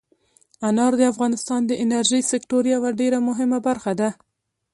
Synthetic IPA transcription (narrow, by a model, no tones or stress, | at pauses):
anɑɾd̪əafɣɑnɪst̪ɑnd̪əʔɪnaɾʒijsɪkʈoɾjawaɖeɾamʊɦɪmabaɾxad̪a